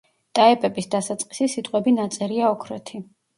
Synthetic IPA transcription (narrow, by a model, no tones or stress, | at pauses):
t̪ʼaɛpʼɛbisd̪asat̪sʼqʼisisit̪ʼqʼwɛbinat̪sʼɛɾiaɔkʰɾɛt̪ʰi